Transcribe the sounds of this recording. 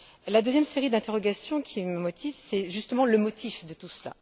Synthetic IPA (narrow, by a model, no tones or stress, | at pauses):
lad̪øzjɛmseʁid̪ɛ̃t̪eʁɔɡasjɔ̃kʲʰiməmɔt̪ʰivsɛʒyst̪əmɑ̃ləmɔt̪ʰifd̪ət̪usla̰